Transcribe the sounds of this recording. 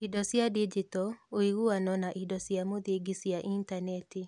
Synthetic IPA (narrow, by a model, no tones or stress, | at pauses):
idɔsjadid͡ʒitɔoiɣuanɔnaʔidɔsjamoðiɡisiaʔintanɛti